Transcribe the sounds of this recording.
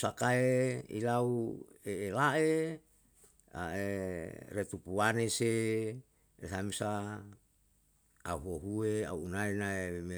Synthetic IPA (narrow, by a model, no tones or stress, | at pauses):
sakaeḭlaueːlae | a̰eret̪upuwanese | eɦamisa | aɦoɦuea̰uːnaenaeme